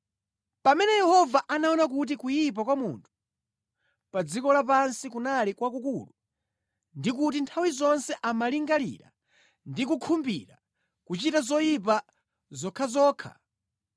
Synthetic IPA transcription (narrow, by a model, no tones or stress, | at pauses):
pamɛnɛjɛhɔvaʔanaɔnak̬ut̬ikujip̬akwamṵntʰu̥ | pad͡zikɔlapansikunalikwakukulu | ndik̬utintʰawizɔnsɛʔamaliŋɡalḭɾa̰ | ndik̬ukʰumbḭɾa̰ | kut͡ʃitazɔjip̬a | zɔkʰazɔːkʰa̰